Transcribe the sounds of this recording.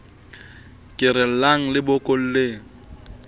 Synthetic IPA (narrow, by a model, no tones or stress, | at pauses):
kʼɪɾɪl̩laŋ̩lɪbɔkʼol̩leːŋ̩